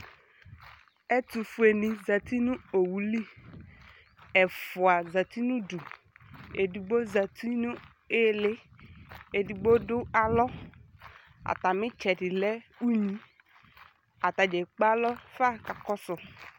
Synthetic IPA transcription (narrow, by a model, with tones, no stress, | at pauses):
ɛ˦tu˨fu˨e˨nĩ˨za˨ti˦nʊ̃˦o˨wu˨li˦ | ɛ˨fʊ˨a˨za˨ti˦nũ˦du˨ | e˨di˨ɡ͡bo˦za˨t̪i˦nʊ̃˦ | e˦le˦ | e˨di˨ɡ͡bo˦dʊ˦a˦lɔ˦ | a̰˨ta˨mɪ̃˦t͡ʃɛ˨dɪ˨lɛ˦u˦ɲĩ˨ | a˨ta˨d͡ʒɛ˨k͡pa˦lɔ˦fa˦˨ka˨kɔ˦sʊ˨